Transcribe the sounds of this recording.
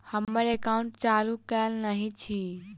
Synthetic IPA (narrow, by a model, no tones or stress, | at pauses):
həmːəɾekaũɳʈ̚t͡ʃalukɛlnəɦĩt͡ʃʰi